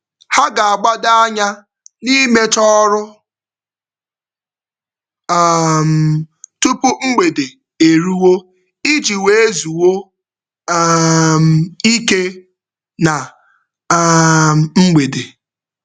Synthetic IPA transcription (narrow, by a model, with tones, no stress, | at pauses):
ha˦ɡa˨a˨ɡ͡ba˦da˦a˦ɲa˦ | ni˦me˦t͡ʃɔ˦ɾʊ˦˨ | m̩˨tu˦pʊ˦ŋ͡m̩˦ɡ͡be˨de˨ | e˨ɾu˦wo˦ | i˦d͡ʒi˨we˦e˦zu˨wo˦ | m̩˨i˦ke˦ | na˨˦ | m̩˨ŋ͡m̩˦ɡ͡be˨de˨